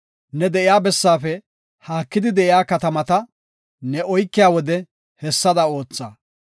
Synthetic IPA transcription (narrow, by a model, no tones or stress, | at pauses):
nɛd̪ɛʔɪjaːbɛsːaːfɛ | haːkːɪd̪ɪd̪ɛʔɪjaːkɐt̪ɐmɐt̪ɐ | nɛʔɔjkːɪjaːwɔd̪ɛ | hɛsːɐd̪ɐo̞ːt͡sːa̰ː